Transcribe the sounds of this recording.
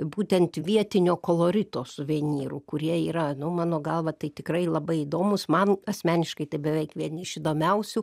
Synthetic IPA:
buːt̪ʲɛnt̪ʋʲiɛt̪ʲɪnʲoːkoːlˠoːɾʲɪt̪oːsʊʋʲiɛnʲiːɾṵkʊɾʲiɛiːɾɐnʊmɑːnoːɡɐlˠʋɐt̪ɐɪt̪ʲɪkɾɐɪlˠɐbɐɪid̪oːmʊsmɐnɐsʲmʲæːnʲɪʃkɐɪt̪ɐɪbʲɛʋʲɛɪkʋʲiɛnɪʃɪd̪oːmʲɛʊsʲʊ

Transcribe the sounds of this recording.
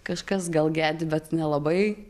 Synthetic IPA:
kɐʃkɐsɡɐlˠɡʲæːd̪ʲɪbʲɛt̪nʲɛlˠɐbɐɪ

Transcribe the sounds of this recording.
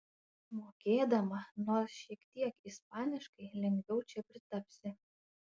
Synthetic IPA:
moːkʲeːd̪ɐmɐnoːsʃʲiɛkt̪ʲiɛkispɑːnʲɪʃkɐɪlʲɛŋʲɡʲʋʲɛʊt͡ʃʲɛpʲɾʲɪt̪ɐpʲsʲɪ

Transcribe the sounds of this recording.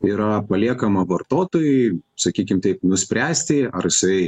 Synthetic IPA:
iːɾɐpɐlʲiɛkɐmɐʋɐrt̪oːt̪oːjʊɪsɐkʲiːkʲɪmt̪ɐɪpnʊsʲpʲɾʲæːsʲt̪ʲɪɐɾjɪsɐɪ

